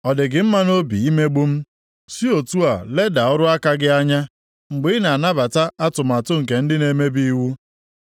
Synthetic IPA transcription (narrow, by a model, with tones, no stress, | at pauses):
ɔ˨dɪ˨ɡɪ˨˦m̩˦ma˦no˦bḭ˨i˦me˦ɡ͡bu˦m̩˦ | si˦o˨tu˦a˨le˦da˨ʊ˦ɾʊ˦a˦ka˦ɡɪ˦a˦ɲa˦ | ŋ͡m̩˨ɡ͡bɪ˦ɪ˦na˨na˦ba˨ta˦a˦tʊ˨m˨a˨tʊ˦ŋ̩˨k̬e˨n̩˦dɪ˦ne˨me˦bi˦i˦wu˦